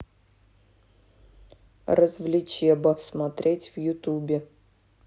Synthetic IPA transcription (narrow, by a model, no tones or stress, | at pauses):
rəzvlʲɪt͡ɕjɛbɐsmɐt̪ɾʲʔetʲvjʊt̪ubʲɪ